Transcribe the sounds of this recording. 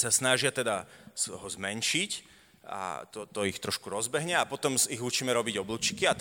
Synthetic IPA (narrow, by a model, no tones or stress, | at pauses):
sasnaʒɪat̪ɛd̪asɦɔzmɛnʃic | a̰t̪ɔt̪ɔixt̪ɾɔʃkuɾɔzbɛɦɲɛapɔt̪ɔmiɣut͡ʃiːmɛɾɔbiɟɔbluːt͡ʃi̥kiat̪